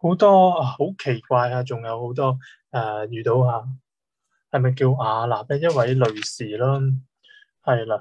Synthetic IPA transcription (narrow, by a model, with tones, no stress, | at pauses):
ho˨˧˥wt̪ɔː˥aː˨˩ho˨˥wkʰe˨˩jkʷaː˧jaː˧t͡sʊ˨ŋjɐ˨˧who˨˥wt̪ɔː˥ | ʔɛː˧˩jyː˨t̪o˨˧whaː˧ | hɐ˨jmɐ˨jkiː˧waː˨˧laː˨˩p̚ɛː˥jɐ˥t̚wɐ˨˥jlɵ˨˧ɥsiː˨˩laː˥ | hɐ˨jlaː˨